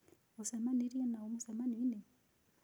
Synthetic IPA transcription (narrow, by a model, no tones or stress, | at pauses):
usamaniɾianaumusamaninɛ